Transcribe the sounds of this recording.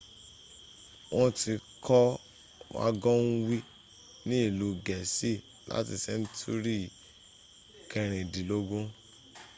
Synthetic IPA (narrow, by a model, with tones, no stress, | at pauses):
wɔ̃˦ti˧kʰɔ˦ | wa̰˦ɡɔ̃˦n̩˦wi˦ | nĩ˦i˦˨lu˨˦ɡɛ˨si˦˨ | la̰˦ti˧sɛ˧n̩˦tʰu˦ɾi˦˨ | kɛ˧ɾ̃ĩ˨di˨lo˦ɡõ˦